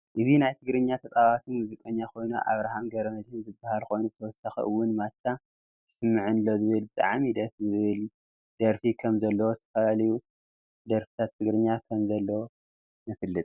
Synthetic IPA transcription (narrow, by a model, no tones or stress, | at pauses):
ʔɨzinajt̪ʰɨɡɾɨɲːat̪ʰɐt̪ʼaβat̪ʰɨnmuzikʼɐɲːakʰo̞jnuʔa̰βɾaɦamɡɐɾɐmɐd̪hɨmzɨbːahalko̞jnubɨt̪ʰɐwɔsaxḭʔɨwːʊnmat͡ʃːa | t̪ʰɨ̥sɨmːɨʕɨnlozɨβɨlbɨt̪ʼa̰ʕmid̪ɐszɨβɨl | d̪̥ɐɾfikʰɐmzɐlːɐwozɨt̪ʰɐfɐlaliju | d̪ɐɾfi̥t̪ʰat̪ʰːɨɡɾɨɲːakʰɐmzɐlːɐwo | mɨfɨlːɨt̪ʼ